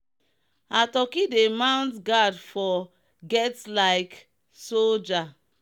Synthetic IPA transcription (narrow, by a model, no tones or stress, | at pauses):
atɔkidemãw̃ntɡadfɔ | ɡɛtlaɪk | sold͡ʒa